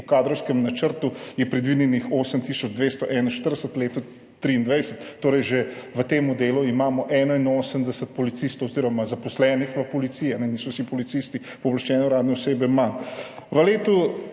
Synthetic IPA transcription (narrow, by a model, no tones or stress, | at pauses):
ukaːd̪ɾɔwskəmnat͡ʃəɾt̪ujɛpɾɛd̪ʋid̪jɛnixoːsəmt̪isɔd͡ʒd̪ʋeːst̪ɔʔɛnaʃt̪əɾd̪əsət̪leːt̪ɔ | t̪ːɾiːnd̪ʋɛjsət̪ːoːɾɛjʒeʋət̪eːmud̪eːluimaːmɔʔɛːnɔinoːsəmd̪ɛsət̪̚pɔlit̪sist̪owoziɾɔmazapɔslɛnixʋəpɔlit̪sijɛanɛniːsɔsipɔlit̪sist̪i | pɔblaʃt͡ʃɛːnɛuɾaːd̪nɛɔseːbɛmanʋəleːt̪u